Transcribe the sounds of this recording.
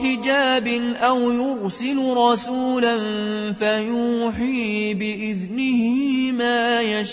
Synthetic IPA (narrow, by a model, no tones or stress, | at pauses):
ħɪd͡ʒaːbɪnʔawjʊɾsɪlʊɾˤɑsuːlanfajuːħiːbɪʔɪðnɪhɪmaːjaʃ